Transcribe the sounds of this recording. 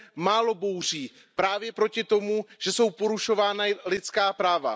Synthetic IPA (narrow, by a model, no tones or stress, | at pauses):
maːlo̞bo̞wr̝iː | pɾaːvjɛpɾo̞cɪt̪o̞muʒ̥ɛso̞wpo̞ɾuʃo̞vaːnalɪt̪t͡skaːpɾaːva̰